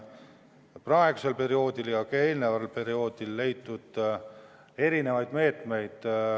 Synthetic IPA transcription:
prɑe̞ɡ̥use̞lpe̞ɾio̞ːd̪iljɑkɑe̞ːlnevɑlpe̞ɾio̞ːd̪̥ilːe̞jt̪ːˑud̪̥ | e̞ɾine̞vɑjd̪̥me̞ːt̪me̞jd̪̥

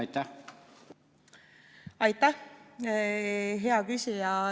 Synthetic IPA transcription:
ɑjt̪ːæ | ɑjt̪ːˑæh | ɦeɑkysʲijɑ

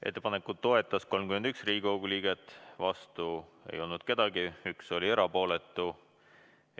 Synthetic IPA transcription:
e̞̰t̪ːe̞pɑnekˑud̪t̪ːo̞e̞t̪ːˑɑsko̞lmkymend̪yksriːɡiko̞ɡuliːɡ̥e̞t̪ːˑvɑst̪ue̞̰jo̞lnud̪̥ke̞d̪̥ɑɡiykso̞lʲie̞ɾɑpo̞ːle̞t̪ːˑu

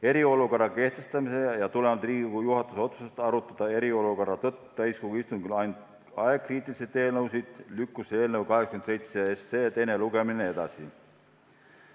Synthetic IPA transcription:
e̞ɾio̞luko̞rːɑke̞ht̪e̞st̪ɑmise̞jɑt̪ulemɑld̪riːɡikujuɦɑt̪ːˑuso̞t̪susest̪ɑɾut̪ːˑɑd̪̥ɑe̞ɾio̞luko̞rɑt̪ɤt̪ːˑu̥t̪æjskoɡuist̪uŋkylɑjnd̪ | ɑekriːt̪ˑiliset̪e̞ːlnɤwsid̪̥lykːˑuse̞ːlnəwkɑɦekskymese̞jt̪seeseːt̪ejneluɡe̞minee̞d̪̥ɑ̰si

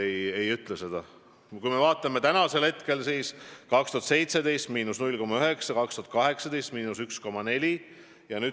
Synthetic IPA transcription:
eje̞jyt̪ˑlese̞d̪̥ɑ | kujme̞vɑːt̪ːˑɑme̞t̪ænɑse̞lhe̞t̪ke̞lsiːskɑkst̪uhɑt̪se̞jt̪se̞d̪e̞jst̪miːnusnulʲko̞mːɑyɦe̞ksɑkɑkst̪uɑt̪kɑɦe̞ksɑd̪e̞jst̪miːnusyksko̞mːɑne̞lʲi | jɑnyː

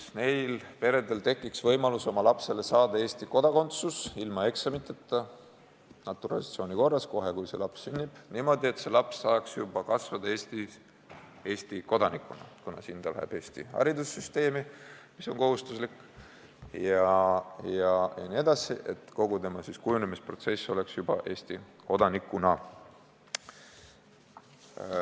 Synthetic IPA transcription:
ne̞jlpe̞ɾe̞d̪e̞lt̪e̞kːˑiksvɤjmɑluso̞mɑlɑpse̞le̞sɑːd̪̥ɑe̞ːst̪iko̞d̪̥ɑko̞nt̪susilmɑe̞ksɑmit̪ːˑet̪ːɑ | nɑt̪ːˑuɾɑ̰liɑt̪sio̞ːnʲiko̞rːɑsko̞ɦe̞kujse̞lɑpsːynʲːib̥niːmo̞d̪ie̞t̪se̞lɑpsːɑːksjubɑkɑsvɑd̪̥ɑeːst̪i | e̞ːst̪iko̞d̪ɑnikːˑunɑ̰kunɑ̰sint̪ɑlæ̰hḛb̥e̞ːst̪ihɑ̰ɾid̪usːyst̪e̞ːmimiso̞nko̞ɦhust̪uslikː | jɑjɑjɑniːe̞d̪̥ɑsḭʔe̞t̪ːˑko̞ɡ̥ut̪e̞mɑsiskujunemispro̞t̪se̞sːo̞le̞ksjub̥ɑ̰ʔe̞ːsʲt̪iko̞d̪̥ɑnikːˑunɑ

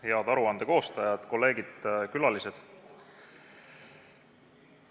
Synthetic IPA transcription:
heɑd̪ɑɾuɑnd̪̥e̞ko̞ːst̪ɑjɑd̪̥ko̞lːe̞ːɡ̥id̪̥kylɑlise̞d̪̥

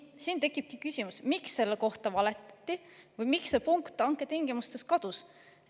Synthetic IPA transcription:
siːnt̪e̞kˑːib̥̚kikysʲimusmiksːe̞lːeko̞ht̪ɑvɑle̞t̪ːˑɑ̥t̪ʲːivɤjmiksːepuŋkt̪ːˑɑŋkːˑe̞t̪iŋɡ̥imust̪e̞skɑd̪̥us

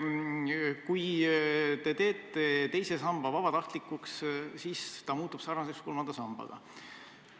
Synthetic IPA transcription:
kuj | t̪e̞t̪e̞ːt̪ːˑe̞t̪e̞jse̞sɑmb̥ɑvɑb̥ɑt̪ɑht̪likːˑukssiːst̪ɑmuːt̪ːˑub̥sɑːrmɑseksko̞lmɑnd̪ɑsɑmb̥ɑ̰ɡ̥ɑ̰

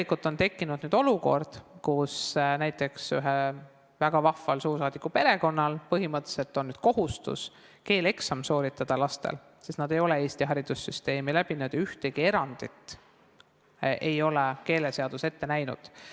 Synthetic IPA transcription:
likult̪ːˑo̞nt̪e̞kːˑinud̪̥nyːd̪̥o̞luko̞̰rd̪̥kusnæjt̪ːˑe̞ksyɦe | væɡ̥ɑvɑfɑlsuːrs̬ɑːd̪̥ikːˑupe̞ɾe̞ko̞nːɑlpɤɦimɤt̪ːˑse̞lt̪ːˑo̞nːyd̪̥̚ko̞ɦust̪ṵs | ke̞ːle̞ksɑmso̞ːɾit̪ːˑɑd̪̥ɑlɑst̪ḛl | sest̪nɑd̪̥e̞jo̞le̞e̞ːst̪iɦɑɾid̪̥usːyst̪e̞ːmilæb̥inud̪̥jɑyht̪eɡ̥ie̞ɾɑnd̪̥it̪ˑ | ʔe̞jo̞leke̞ːleseɑd̪̥use̞t̪ːe̞næjnṵd̪̥

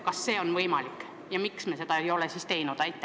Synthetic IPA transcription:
kɑsːe̞ːo̞nvɤjmɑlikːˑ | jɑmiksmese̞d̪ɑejo̞lesist̪e̞jnud̪̥ɑjt̪ːˑ

